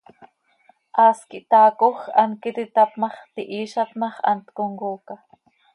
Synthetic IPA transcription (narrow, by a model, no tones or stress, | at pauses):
ʔɑːskiʔt̪ɑːkoxʔɑnkit̪it̪ɑpmɑχt̪iʔiːʃɑp̪mɑχʔɑ̰nt̪koŋɡuːka